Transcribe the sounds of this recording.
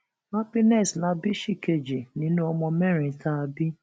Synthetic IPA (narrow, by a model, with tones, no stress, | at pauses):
ma˦pi˦nɛ˦˨sla˦bi˦ʃi˦˨ke˨d͡ʒe˨nĩ˨˦nũ˦ɔ˧mɔ̃˧mɛ˦˨ɾ̃ĩ˨tʰa˦˧bi˦